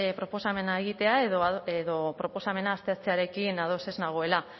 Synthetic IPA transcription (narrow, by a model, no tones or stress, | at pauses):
pɾo̞po̞same̞nae̞ɣ̞it̪e̞aeðoeðo̞pɾo̞po̞same̞naːst̪eat͡seaɾe̞kinaðo̞se̞znaɣ̞o̞e̞la